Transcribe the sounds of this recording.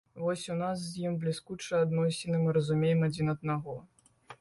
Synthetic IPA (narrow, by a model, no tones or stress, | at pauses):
vɔsʲunas̬zjimblʲiskut͡ʂɨad̪nɔsʲɪnɨmɨɾɐzumʲejɛmad͡zʲinɐd̪̚naɣɔ